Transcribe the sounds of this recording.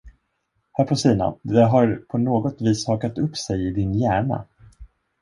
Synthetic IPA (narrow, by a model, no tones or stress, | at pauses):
hœːpʰɔsiːna̰d̪ɛɦaɾpʰɔnoːɡɔt̪viːshɑːkat̪ɵpːsɛjɪd̪ɪnjæːɳa̰